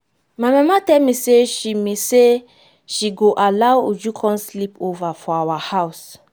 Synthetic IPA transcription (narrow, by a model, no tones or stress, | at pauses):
majmamatɛlmiseʃimese | ʃiɡoʔalawud͡ʒukʰɔ̃nslipovafɔawahaws